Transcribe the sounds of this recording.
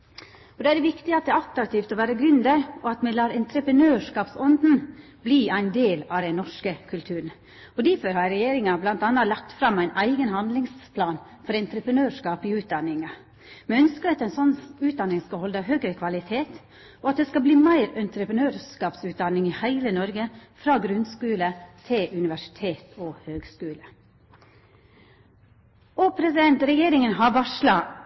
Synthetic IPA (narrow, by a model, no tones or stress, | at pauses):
ɔd̪oːæɖɛʋɪkt̪ɪɑt̪̚d̪ɛɑt̪ɾɑk̚t̪ʰiːft̪ɔʋæːɾəɡɾʉnd̪əɾɔɑt̪mɛlɑːɾɛnt̪ɾəpɾənøːʂkɑːpsɔnd̪n̩ | bliːæɪnd̪eːlɑʋd̪ɛnːɔʂkəkʰʉlt̪ʰʉːɾən̩ | ɔd̪æɾfɔɾhɑɾɛjeːɾɪŋɑblɑnt̪ɑːnːɑlɑk̚t̪fɾɑmːæɪnʔæɪɡənhɑnd̪lɪŋspʰlɑːn | fɔɾɛnt̪ɾəpɾənøːʂkɑːpɪʉːt̪̚d̪ɑnːɪŋɑ | mɛœnskəɾɑt̪ɛɪnsɔnʉːt̪̚d̪ɑnːɪŋskɑhɔld̪əɦøːɡɾəkʰʋɑlɪt̪ʰeːt̪ | ʔɔɑt̪̚d̪ɛskɑbliːmæɪɾɛnt̪ɾəpɾənøːɾskɑːpsʉːt̪̚d̪ɑnːɪŋɪhæɪlənɔɾɡəfɾɑːɡɾʉnskʉːlət̪ʰɪlʔʉnɪʋæʂɪ̥t̪ʰeːt̪ʰɔhøːɡskʉːlə | opʰɾɛsɪd̪ɛnt̪ɾɛjeːɾɪŋənɦɑʋɑʂlɑ